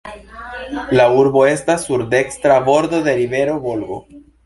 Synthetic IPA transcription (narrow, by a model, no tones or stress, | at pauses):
lauɾbo̞e̞stasːuɾde̞kstɾabo̞ɾd̪o̞d̪e̞ɾive̞ɾo̞bo̞lɡo̞